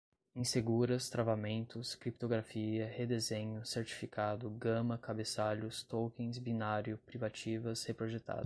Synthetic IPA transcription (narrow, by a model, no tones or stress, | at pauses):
ĩseɡuɾɐst̪ɾavamẽnt̪ʊskɾipt̪oɡɾafiɐhed̪ezẽɲʊseɾt͡ʃi̥fikʰad̪ʊɡɐ̃mɐkabesaʎʊst̪owkẽj̃zbinaɾjʊpɾivat͡ʃivɐshepɾoʒet̪a̰d̪